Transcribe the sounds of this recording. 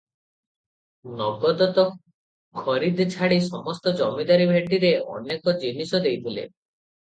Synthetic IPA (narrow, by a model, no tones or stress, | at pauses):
nɔɡɔd̪ɔt̪ɔ | kʰɔɾid̪ʱt͡ʃʰaɽisɔmɔst̪ɔd͡ʒɔmid̪aɾibʱeʈːiɾeɔ̰nekɔd͡ʒinisɔd̪ejt̪ʰilḛ